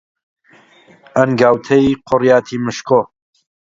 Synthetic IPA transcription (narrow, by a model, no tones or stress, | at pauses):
ɐnɡaːwt̪ʰɐiqʰʊrjaːt̪ʰimɨʃkʰoː